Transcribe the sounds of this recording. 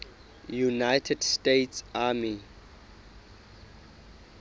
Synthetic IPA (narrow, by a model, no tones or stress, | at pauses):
junajtʰɛdstetsami